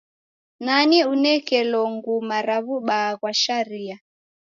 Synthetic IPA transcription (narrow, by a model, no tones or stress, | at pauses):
naniunɛkɛlɔŋɡumaɾaβuɓaɣwaʃaɾia